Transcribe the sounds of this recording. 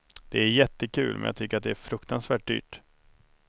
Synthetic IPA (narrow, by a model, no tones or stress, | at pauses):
d̪̥ɛæɾjɛt̪ːəkʰʉ̟̰ːlmɛnja̰ːɡt̪ʰʏkːəɾat̪̚d̪ɛæɾfɾɵkt̪ʰansvæːʈ̚d̪y̰ːʈ